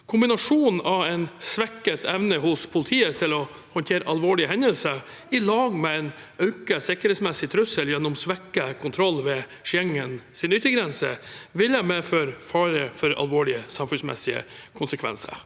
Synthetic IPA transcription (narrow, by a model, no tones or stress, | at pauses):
kʰʊmbɪnɑʂuːn̩ɑʋɛɪnsʋɛkːət̪ʰɛʋnəhʊspʰʊlɪt̪ʰiːət̪ʰɪlɔ | hɔnt̪ʰeːɾəʔɑlʋoːɭɪəhɛnəlsəɾ | ɪlɑːɡmɛɛɪn | œʉkəsɪkəɾheːt̪smɛsːɪt̪ʰɾʉsəljɛnːʊmsʋɛkːəkʰʊnt̪ʰɾɔlːʋɛ | ʃɛŋːənsɪnʏt̪ːəɡɾɛnsə̰ʋɪləmeːføɾfɑːɾəfɔɾɑ̰lʋoːɭɪəsɑmfʉnsmɛ̰sɪə̰kʰʊnsəkʰʋɛ̰nsə̰ɾ